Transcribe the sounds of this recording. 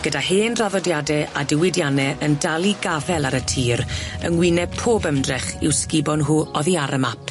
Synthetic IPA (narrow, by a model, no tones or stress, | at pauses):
ɡ̥ədaheːnraðɔdjadɛʔadɪwɪdjanɛəndalˠiɡavɛlˠaɾətʰiːɾənwɪnɛpʰoːbəmdrɛχɪ̰wskɪbɔnɦuːɔðiaɾəmapʰ